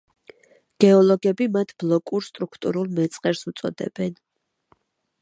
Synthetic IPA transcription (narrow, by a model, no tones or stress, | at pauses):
ɡ̥ɛɔlˠɔɡɛbimat̪ʰb̥lˠɔkʼuɾst̪ʼɾukʰt̪ʼṵɾulˠmɛt̪sʼqʼɛɾsut̪sʼɔ̰d̪ɛ̰b̥ɛn